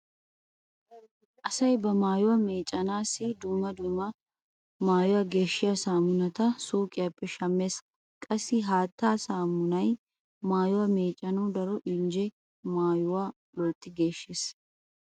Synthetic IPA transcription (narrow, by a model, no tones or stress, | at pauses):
ʔɐsɐjbɐmaːjʊwɐme̞ːt͡ʃʼːɐnaːsɪd̪umːɐd̪ʊmɐ | maːjʊwɐɡe̞ːʃːɪjɐsaːmʊnɐt̪ɐsuːkʼɪjɐpːɛʃɐmːes | kʼɐsɪɦaːt̪ːaːsaːmːʊnɐj | maːjʊwɐmeːt͡ʃʼːɐnuːd̪ɐɾɔʔɪnd͡ʒɛ | maːjʊwaː | lɔlt̪ːɪɡeːʃːɪs